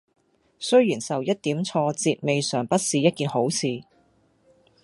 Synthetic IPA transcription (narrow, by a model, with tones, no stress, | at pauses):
sɵ˥ɥjiː˨˩nsɐ˨wjɐ˥t̚t̪iː˨˥mt͡sʰɔː˧t͡siː˧t̚me˨jsœː˨˩ŋpɐ˥t̚siː˨˧jɐ˥t̚kiː˨nho˨˥wsʰiː˨˧